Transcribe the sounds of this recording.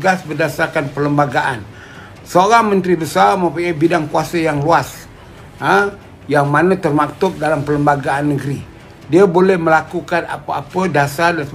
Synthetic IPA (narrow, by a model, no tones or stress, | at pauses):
ɡasbərdasarkanpələmbaɡaʔan | səoɾaŋmə̃nt̪ɾibəsarmə̃puɲabidaŋkuasajaŋluas | ə | jaŋmanat̪ərmak̚t̪ʊk̚dalampələmbaɡaanːəɡəɾi | diabolɛhməlakukana̰paapədasadan